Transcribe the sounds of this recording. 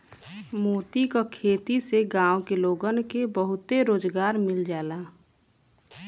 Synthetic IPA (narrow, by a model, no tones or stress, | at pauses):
moːt̪ikakʰeːt̪iseɡãːokeloːɡənkebəɦʊt̪eɾoːd͡ʒɡaːɾmɪld͡ʒaːlaː